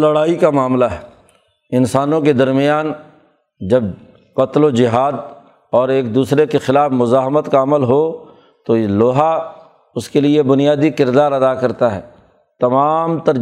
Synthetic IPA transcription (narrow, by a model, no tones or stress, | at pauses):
lɐɽaːikamaːmlaɦɛ | ɪnsaːnõked̪ɐɾmɪjaːn | d͡ʒɐb | kɐt̪lod͡ʒɪɦaːd̪ | ɔːɾeːk̚d̪uːsɾekexɪlaːfmʊzaːɦmət̪kaɐməlɦo | t̪oloːɦa | ʊskeliebʊnijaːd̪ikɪɾd̪aːɾɐd̪akɐɾt̪aɦɛ̰ː | t̪ɐmaːmt̪ɐɾ